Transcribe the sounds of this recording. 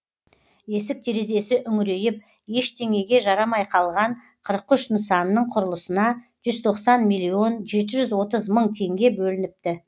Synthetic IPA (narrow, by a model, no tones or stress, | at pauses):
e̞sɪp̚t̪ʰeɾe̞ze̞sɪʔʏŋɾe̞jɪp̚ | je̞ʃt̪ʰe̞ŋe̞ɡʲe̞ʒɑɾɑmɑjqʰɑlˠʁɑɴ | qʰəɾəqʏʃnəsɑnːəɴqʰʊɾəlˠəsənɑ | ʒ̥ʏzt̪ʰo̞qsɑnmijlʲːio̞nʒe̞t̪ɪʒʏzwo̞t̪əzməɴt̪ʰe̞ŋɡʲe̞bɵlɪnɪp̚t̪ɪ